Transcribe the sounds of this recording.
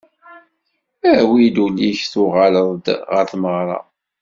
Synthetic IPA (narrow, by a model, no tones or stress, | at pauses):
æwid̪ulːiçθʊʁaləðˤd̪ʁəɾθməʁɾˤɑ̰